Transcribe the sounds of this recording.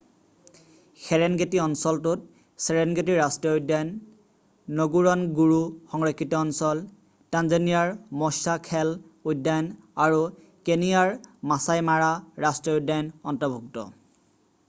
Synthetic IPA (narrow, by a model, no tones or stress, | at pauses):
xɛɹɛnɡetiɔnsɔltut̚ | sɛɹɛnɡet̬iɹastijɔujdajnː | oɡuɹɔnɡuɹuxɔŋɹɔkʰːitɔɔnsɔl | tanzɔnijaɹmɔsakʰɛlujdajnaɹu | kenijaɹmasajmaɹaɹastɹiɔudːajnɔntɔbʱuk̚tɔ̰